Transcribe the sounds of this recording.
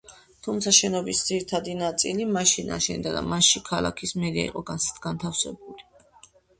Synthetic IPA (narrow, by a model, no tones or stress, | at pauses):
t̪ʰumt̪sʰaʃɛnɔbisd̪ziɾit̪ʰad̪inat̪sʼilimaʃina̰ʃɛnd̪ad̪a̰maʃikʰalˠa̰kʰismɛɾia̰ḭqʼɔɡaɡ̥ant̪ʰafsɛ̰buli